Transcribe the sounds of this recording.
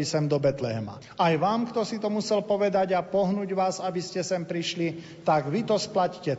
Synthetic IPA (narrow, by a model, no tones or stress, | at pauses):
isɛmd̪ɔbɛt̪lɛɦɛma̰ | ajʋaːmkt̪ɔsit̪ɔmusɛlpɔʋɛd̪aɟapɔɦnuːɟʋaːzabiscɛsɛmpɾiʃli | t̪aɡʋit̪ɔsplaccɛ